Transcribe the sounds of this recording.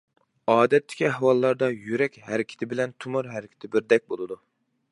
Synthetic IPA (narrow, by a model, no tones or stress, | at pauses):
ɑːd̪ɛt̪ʰːɪ̥kʲiɦɛwɑlˠːɑɾd̪ɑjyɾɛkʲhæɾɪkʲʰɪ̥t̪ʰɪbɪlɛnt̪ʰumʊɾɦæɾɪkʲʰɪ̥t̪ʰɪbɪɾd̪ɛk̚ʲbolˠɨd̪u